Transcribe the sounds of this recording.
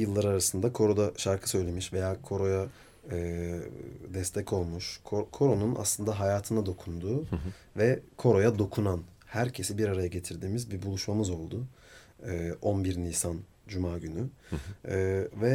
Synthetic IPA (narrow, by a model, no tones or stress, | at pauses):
jɯlˠːaɾaɾasɯnd̪akʰo̞ɾo̞d̪aʃaɾkʰɯ̥sø̞jlʲe̞miʃve̞jaːkʰo̞ɾo̞ja | ɯ | d̪ɛst̪ʰɛcʰo̞lˠmuʃkʰokʰo̞ɾo̞nuna̰slˠɯnd̪aɦajaːt̪ʰɯnad̪o̞kʰund̪uː | vɛkʰo̞ɾo̞jad̪o̞kʰunan | hæɾcʰe̞sibiɾaɾajaɟe̞t̪ʰiɾd̪iːmizbibulˠuʃmamɯzo̞lˠd̪ʊ | ɯːonbiɾniːsan | d͡ʒumaːɟynyː | vɛ